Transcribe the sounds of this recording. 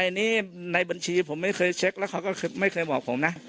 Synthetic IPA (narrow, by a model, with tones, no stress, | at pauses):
a˧niː˦˥˩na˧jba˧nt͡ɕʰiː˧pʰo˩˦mːa˥˩jkʰɤː˧jt͡ɕʰe˦˥k̚lɛ˦˥wkʰa˧˩wkɔː˥˩kʰːma˥˩jkʰɤː˧jbɔː˨˩k̚pʰo˩˦mna˦˥